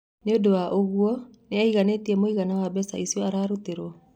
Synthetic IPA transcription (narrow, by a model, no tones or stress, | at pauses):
neodowaʔoɣuɔneaiɣaneːtiɛmoiɣanawabɛsaisiɔaɾaːɾuteɾwɔ